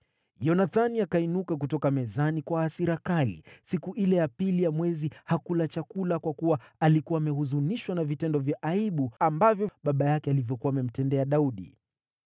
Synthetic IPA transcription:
jɔnaθaniakainukak̬utɔkamɛzanikwaːsiɾakalḭsikuʔilɛjapilijamwɛzihakulat͡ʃakulakwakuwaalikuwaːmɛhuzuniʃwanavitɛndɔvjaʔaiɓuambavjɔɓaɓajakɛalivjɔkuaːmɛm̩tɛndɛaɗauɗḭ

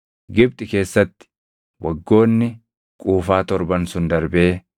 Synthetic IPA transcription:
ɡɪb̚t̪ʼɪke̞ːsːɐt̪ːɪ̥ | wɐɡːo̞ːnːɪ | kʼuːfaːt̪ɔɾbɐnsʊnd̪ɐɾbe̞ː

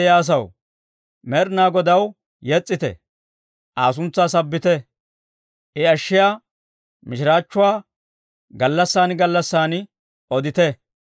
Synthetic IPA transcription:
jaːs̬ɐw | mɛɾnaːɡɔd̪ɐw | jɛt͡sʼːɪt̪ɛ̰ | ʔaːsʊnt͡sːaːsɐbːɪt̪ɛ | ʔɪɐʃːɪjaː | mɪʃɪɾaːt͡ʃːʊwaː | ɡɐlːɐsːaːnɡɐlːɐsːaːn | ɔd̪ɪt̪ɛ

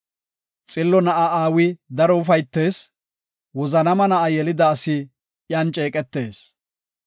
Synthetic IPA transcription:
t͡sʼɪlːɔnɐʔɐʔaːwɪd̪ɐɾɔʊfɐjt̪ːe̞ːs | wɔzɐnɐmɐnɐʔɐjɛlɪd̪ɐːsɪ | jaːnt͡ʃʼe̞ːkʼɛt̪ːe̞ːs

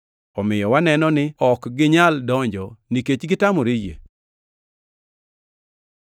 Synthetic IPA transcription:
ɔmɪjɔwanɛnɔnɪɔkɡɪɲaldɔɲd͡ʒɔniket͡ʃɡɪtamoɾijḛ

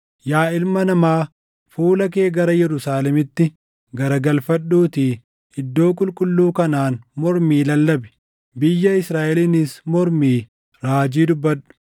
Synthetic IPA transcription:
jaːɪlmɐnɐmaː | fuːlɐk̬e̞ːɡɐɾɐjɛɾʊsaːlɛmɪt̪ːɪ | ɡɐɾɐɡɐlfɐᶑːuːt̪iː | ɪd̪ːo̞ːkʼʊlkʼʊlːuːkɐnaːnmɔɾmiːlɐlːɐbɛ̥ | bɪjːɐɪsɾaːʔɛlinɪsmɔɾmiː | ɾaːd͡ʒiːd̪ʊbːɐᶑʊ̥

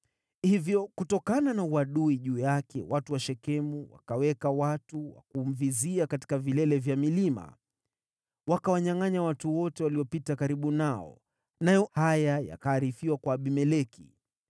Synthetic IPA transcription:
hivjɔkutɔkananauaɗuiʄuːjakɛ̰watuwaʃɛkɛmuwa̰kawɛkawatuwa̰kum̩viziakati̥kavilɛlɛvjamilima̰ | wakawaɲaŋaɲawatuwɔtɛwaliɔpitakaɾiɓunaɔ̰ | najɔhajaja̰kaːɾifiwakwaːɓimɛlɛkḭ

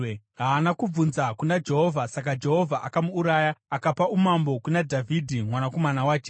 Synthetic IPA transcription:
ɦaːnakub͡vunzakunad͡ʒe̞ɦo̞vʱasak̬ad͡ʒe̞ɦo̞vʱaʔakamuːɾaːjaːkapaumambo̞kunadʱavʱidʱimwanako̞manawaːt͡ʃe

